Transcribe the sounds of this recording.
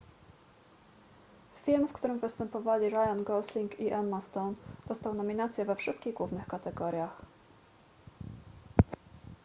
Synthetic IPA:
fʲilmfkt̪uɾɘmvɘst̪ɛmpɔvalʲiɾajanɡɔslʲiŋkiʔanmast̪ɔnd̪̥ɔst̪awnɔmʲinat̪sʲjɛvɛfʂɘst̪kʲiɣɡwuvnɘxkat̪ɛɡɔɾʲjax

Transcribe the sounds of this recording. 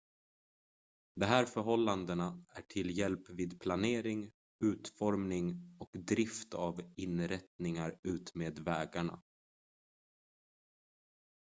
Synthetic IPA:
d̪ɛɦæːɾfœɾɦɔlːand̪ənaæʈʰɪljɛlpviːd̪pʰlaneːɾɪŋ | ʉ̟ːt̪fɔɾmnɪŋɔkd̪ɾɪft̪avɪnɾɛt̪nɪŋaɾʉ̟ːt̪meːd̪vɛːɡaɳa̰

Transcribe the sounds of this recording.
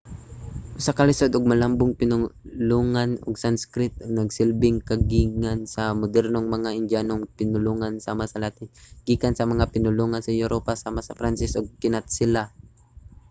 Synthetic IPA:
ʔʊsakɐlɪsod̪ʔʊɡ̚mɐlambʊŋpɪnʊluːŋanʊ̰ɡsanskɾɪt̪̚ʊɡ̚nɐɡsɪlbɪŋkɐɡiŋansɐmod̪ɛɾnoŋmɐŋaʔɪnd͡ʒanoŋpɪnʊluːŋansaːmasɐlaːt̪ɪnɡ̥iːkansɐmɐŋapɪnʊluŋansɐjʊɾʔopasaːmasɐfɾansɪsʔʊɡ̚kɪnat̪̚sɪla

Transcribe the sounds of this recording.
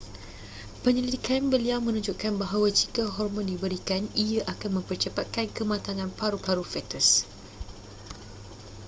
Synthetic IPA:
pəɲəlidikanbəliawmə̃nũɲd͡ʒuʔkanbaɦawad͡ʒikəɦɔrmɔ̃ndibəɾikaniəʔakanmə̃mpərt͡ʃəpat̪̚kankəmãt̪anãnpaɾupaɾufɛt̪əs

